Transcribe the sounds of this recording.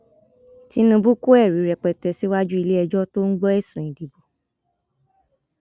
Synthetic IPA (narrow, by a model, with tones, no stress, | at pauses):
ti˦nũ˧bu˦ku˦ɛ˦˨ɾi˨˦ɾɛ˨k͡pɛ˨tɛ˧si˦wa˦d͡ʒu˦i˧le˦ɛ˧d͡ʒɔ˦to˦ŋ̩˦ɡ͡bɔ˦ɛ˦˨sũ˨ĩ˨di˨bo˨